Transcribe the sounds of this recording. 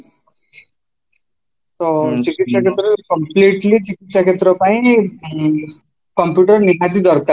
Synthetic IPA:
t̪ot͡ʃikit̪saket̪ɾɐkəmpliʈlit͡ʃikit̪sakʰet̪ɾɔpaĩ | kəmpjuʈəɾniɦad̪id̪ɔɾka

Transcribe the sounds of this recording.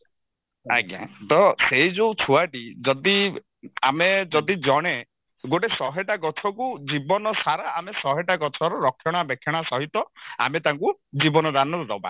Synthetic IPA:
a̰ɡjã̰t̪ɔseid͡ʒowt͡ʃʰuaʈid͡ʒɔd̪i | amed͡ʒɔd̪id͡ʒɔɽ̃e | ɡoʈesɔɦeʈaɡɔt͡ʃʰɔkud͡ʒibɔnɔsaɾaːmesɔɦeʈaɡɔt͡ʃʰɔɾɔɾɔkʰːjɔɽ̃abekʰːjɔɽ̃asɔɦit̪ɔa̰met̪aŋkud͡ʒibɔnɔd̪anɔɾɔd̪ɔba̰

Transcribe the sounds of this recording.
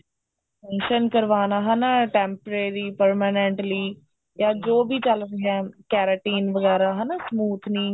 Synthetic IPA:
ɛ̃nʃənkəɾʋaːnaːɦɛnaːʈɛːmpəɾeːɾiːpəɾmaːnɛ̃ɳʈliː | jaːd͡ʒoːbiːt͡ʃəlɾeːɦɛːkɛːɾəʈiːnʋəɡɛːɾaːɦənaːsəmuːt̪ʰniː

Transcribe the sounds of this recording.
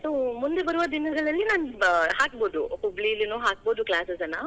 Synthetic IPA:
somund̪ebɐɾuʋɐd̪inɐɡɐɭɐlːinaːnhaːk̚boːd̪ukubɭiɐlːinoːɦaːk̚boːd̪uklaːsesɐna

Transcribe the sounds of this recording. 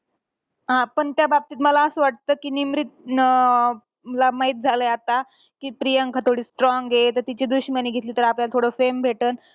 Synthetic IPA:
ɦãpəɳt̪jabab̚t̪iːt̪məlaəsəʋaʈ̚t̪əːkiːnimɾit̪̚ | məlamaɦit̪̚d͡zʱaləjat̪a | kiːpɾijəŋkʰət̪ʰoɽiːsʈɾɔŋɡet̪əɾt̪it͡ɕiːd̪uɕmaniːɡʱet̪liːt̪əɾapljalt̪ʰoɽəfembʱeʈəːn

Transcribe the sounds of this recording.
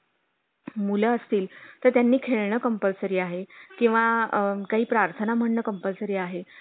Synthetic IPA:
muləəst̪iːlt̪əɾt̪janːiːkʰeɭɳəkəmpəlsəɾiːaɦekĩw̃ʋakaɦiːpɾaɾt̪ʰənam̤əɽɳəːkəmpəlsəɾiːaɦe

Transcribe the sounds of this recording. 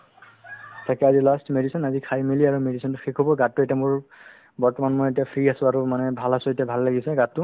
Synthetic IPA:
tʰakɛazilastmedisɔnazikʰajmiliaɹumedisɔntʊxekʰɔbɔɡatːʊetiamoɹ | bɔɹtɔmanmojet̬ijapʰɹiasʊ̃aɹumanɛbʱalasʊ̃etijabʱalːaɡisɛɡatːʊ

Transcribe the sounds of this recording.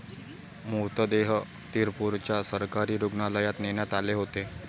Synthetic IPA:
mut̪d̪eɦ | t̪iɾpuɾt͡ɕjasəɾkaɾiːɾuɡɳaləjat̪neɳjat̪aleɦot̪e

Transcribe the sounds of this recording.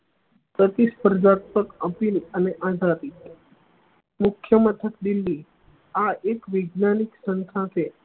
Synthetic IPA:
pət̪ispəɾd͡ʒat̪̚pəkəpiləneʔad͡ʒʱat̪it̪ | mʊkʰjəmət̪ʰək̚d̪ilːi | aʔekʋɪɡnaniksənsʰãt̪ʰe

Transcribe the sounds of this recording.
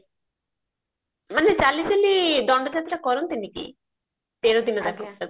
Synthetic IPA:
manet͡ʃaliselidɔɳɖɔd͡ʒat̪ɾakɔɾɔnt̪inikḭ | t̪eɾod̪inɔt̪akia

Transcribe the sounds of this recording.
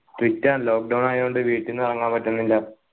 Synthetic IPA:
ʈʋitːaːnloːk̚ɖɐwnaːjoɳɖɨʋiːʈːinːɨɐrɐŋːaːmpɐʈːunːilːɐ

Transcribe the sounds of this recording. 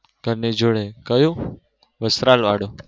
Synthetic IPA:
ɡ̥ʱəɾned͡ʒoːɽekəjũː | ʋəsɾaːlʋaːɽoː

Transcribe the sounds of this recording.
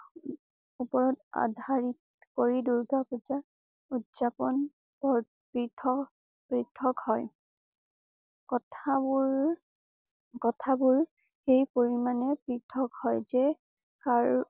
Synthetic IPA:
upɔɹɔta̰dʱaɹit | koɹiduɹɡapɔta | utzapɔn | bɔ | pɹitʰɔ | pɹitʰːɔkhɔj | kɔtʰabʊɹ | kɔtʰabʊɹ | xejpoɹimanɛpɹitʰːɔkhɔjzɛ | kaɹ

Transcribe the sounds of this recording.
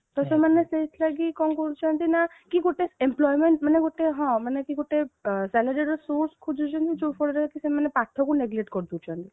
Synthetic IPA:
t̪ɔsemaneseslaɡikɔnkɔɾut͡ʃʰɔnt̪ina | kiɡoʈeemplɔjmeɳʈmaneɡoʈeɦɔ̃manekiɡoʈesɛləɾiɾɔsoɾskʰud͡ʒʱut͡ʃʰɔnt̪it͡ʃufɔɽɾaakisemanepaʈʰːɔkuneɡleʈkɔɾt̪ut͡ʃʰɔ̃nt̪i

